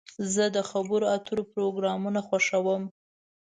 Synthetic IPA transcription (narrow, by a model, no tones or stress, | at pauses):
zəd̪əxabəɾoat̪uɾopɾoɡɾɑmunaxwaʂawəm